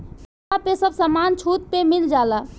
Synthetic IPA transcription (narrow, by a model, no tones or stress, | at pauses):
apesəbsəmant͡ʃʰut̪̚pemild͡ʒala